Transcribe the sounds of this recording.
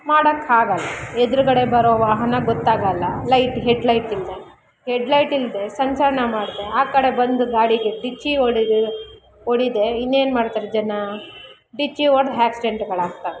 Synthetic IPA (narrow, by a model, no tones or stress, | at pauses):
maːɽɐkːaːɡɐlːɐed̪ɾuɡɐɽe̞bɐɾoːʋaːɦɐnɐɡɔt̪ːaːɡɐlːɐlɐjʈɦeɖlɐjʈild̪e̞ | heɖlɐjʈild̪e̞sɐɲt͡ʃɐɾɐɳɐmaːɽd̪e̞aːkɐɽe̞bɐnd̪uɡ̪aːɽiɡeɖit͡ʃːioɽid | oɽid̪e̞inːe̞ːnmaːɽt̪aːɾed͡ʒɐnɐ | ɖit͡ʃːiʋɐɾd̪ɦaːksiɖeɳʈɡɐɭaːɡ̚t̪aʋe